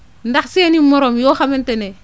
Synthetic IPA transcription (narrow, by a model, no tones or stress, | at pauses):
ndaksenimoɾomjoxamentene